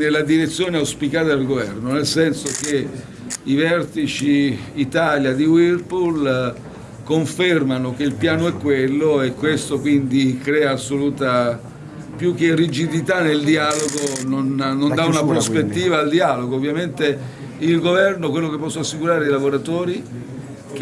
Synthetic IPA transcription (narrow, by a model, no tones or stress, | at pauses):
nelːad̪iɾet̪sːjoːneawspikaːt̪ad̪elɡovɛrnonelsɛnsok̟e | ivɛrt̪it͡ʃiːt̪aːljad̪iwirpul | koɱfermanokeilpjaːnoɛkːwelːoekːwest̪okwind̪ikɾɛːaːsːoluːt̪a | pjuk̟ːerid͡ʒid̪it̪anːeld̪iaːloɡononnond̪aunapɾospet̪ːiːvaːld̪iaːloɡoːvːjament̪e | ilɡovɛrnokwelːokepːɔsːoasːikuɾaːɾeilavoɾat̪oːɾi | k